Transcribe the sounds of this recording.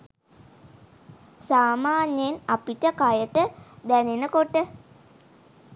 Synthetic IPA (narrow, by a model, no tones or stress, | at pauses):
saːmaːnjenapiʈəkajəʈəd̪ænenəkoʈːə